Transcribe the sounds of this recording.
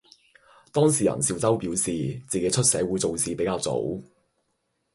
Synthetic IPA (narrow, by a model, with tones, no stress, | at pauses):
t̪ɔː˥ŋsiː˨jɐ̰˨˩nsiː˧wt͡sɐ˥wpiː˨˥wsiː˨t͡siː˨ke˨˥jt͡ʃʰɵ˥t̚sɛː˨˥wu˨˥jt͡so˨wsiː˨˧pe˨˥jkaː˧wt͡so̰˨˥w